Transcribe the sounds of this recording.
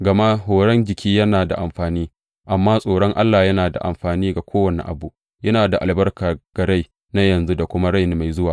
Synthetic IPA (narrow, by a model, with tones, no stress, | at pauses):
ɡɐ˨ma˦ɦoː˨ɽɐ˦nd͡ʒɪ˨kʲiː˦jɐ˦naː˨da˨ʔa˨mɸaː˨niː˦ | ʔa˨mːaː˦sʼoː˨ɽɔ˦ŋʔa̰˦lːaː˨jɐ˦naː˨da̰˨ʔa̰˨mɸaː˨niː˦ɡa˨kʷʰoː˦wɐ˨ni˦ʔa̰˨bu˨ʔ | jɐ˦naː˨da˨ʔa˨lbɐ˦rkaː˨ɡ̥ɐ˨ɽa˦j | na˦jɐ˨nzu˦da˨kʷʊ˦ma˦ɽa˦jni˦ma˨jzʊ˦waː˨